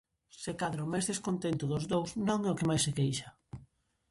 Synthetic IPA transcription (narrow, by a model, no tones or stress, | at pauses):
sekaðɾʊmajzðeskont̪ent̪ʊðʊzðowsnõŋɛʊkɪmajsekejʃɐ